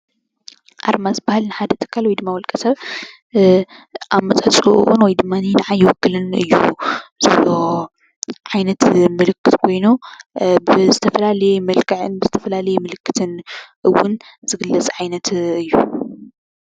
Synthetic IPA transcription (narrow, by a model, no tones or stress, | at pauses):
ʔa̰ɾmazɨbahɨlnɨħad̪ɐt̪ʰɨ̥kʰːalwɔjd̪ɨmːawɔlkʼɐsɐβ | ʔaβmɐt͡sʼʕɐt͡sʼuʔʔunwɔjd̪ɨmːaninɐʕajːɪwɔkːɨlɨnɨ̰jːṵzɐβlo | ʕajnɐt̪mɨlɨkːɨt̪kʰo̞jnobzɨt̪ʰɐfɐlalɐjemɐlkʰɐʕɨnbɨzɨt̪ʰɐfɐlalɐjemɨlɨkːɨ̥t̪ʰɨnʔɨwːʊn | z̥ɨɡɨlːɐt͡sʼʕajnɐt̪ɨjːu